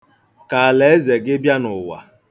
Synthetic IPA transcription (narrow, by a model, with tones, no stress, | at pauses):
ka˨a˨le˨˦e˦ze˨ɡɪ˦bja˦nʊ˨wa̰˨